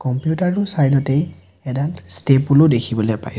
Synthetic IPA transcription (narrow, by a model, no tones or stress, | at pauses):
kɔmpjutaɹusajdɔtej | ɛdanstepulodekʰibɔlɛjpa̰j